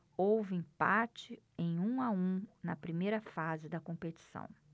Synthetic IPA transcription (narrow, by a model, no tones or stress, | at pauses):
owvɪĩpat͡ʃɪ | ẽj̃ũaũnɐpɾimejɾɐfazɪd̪ɐkõpet͡ʃi̥sɐ̰̃w̃